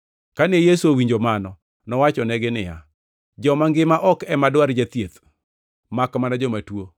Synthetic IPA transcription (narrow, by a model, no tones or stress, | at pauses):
kanejesuowiɲd͡ʒomanɔ | nɔwat͡ʃɔnɛɡɪnɪja̰ | d͡ʒɔmaŋɡɪmaʔɔkɛmadwaɾd͡ʒat̪jet̪ | makmanad͡ʒɔmatwo